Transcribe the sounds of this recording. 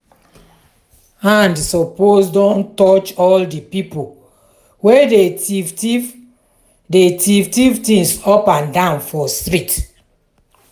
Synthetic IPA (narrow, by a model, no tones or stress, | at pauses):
ãndsɔposdɔ̃ntɔt͡ʃɔldipipo | wee | detivtivtĩŋsɔpãndãnfɔstɹit